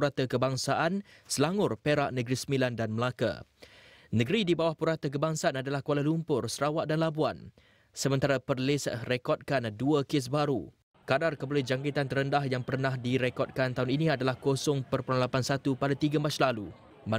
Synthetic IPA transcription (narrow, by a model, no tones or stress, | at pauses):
ɾat̪əkəbaŋsaʔansəlaŋʊrpeɾaʔnəɡɾisəmilandanməlaka̰ | nəɡɾidibawahpuɾat̪ək̬əbaŋsaanadalahkwalalumpʊrsəɾawaʔ̚danlabuan | səmənt̪aɾapərlɪsrekɔt̚kanduəkɪs̬baɾṵ | kadarkəbulɛhd͡ʒaŋkit̪ant̪əɾəndaɦjaŋpərnãhdiɾekɔt̚kant̪auniniadalahkosɔŋpərpuɾanlapansat̪upadat̪iɡamaslalu | ma